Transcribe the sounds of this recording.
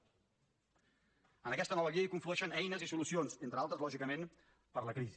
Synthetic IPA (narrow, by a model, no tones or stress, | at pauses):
ənəkɛst̪ənɔβəɣiəikuɱfluɛʃənɛjnəzisulusionzent̪ɾəalˠt̪ɾəzlɔʒikəmen | pəɾləkɾizi